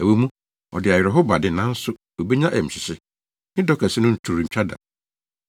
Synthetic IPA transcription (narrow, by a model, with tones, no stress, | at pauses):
æ˨wo˦mũ˦ | ɔ̰˨dɪ˨a˨jɛ˨ɾɛ˨ɦo˦ba˨dɪ˨nã˦n̩˦sʊ˦ | o˨be˦ɲã˦ʔæ˨m̩˨ɕɪ˨sɪ˦ | nɪ̃˦dɔ˦kʰɛ˨sɪ˦nʊ̃˦n̩˨tʰu˨ɾm̩˨t͡ɕᶣʰa˦da̰˨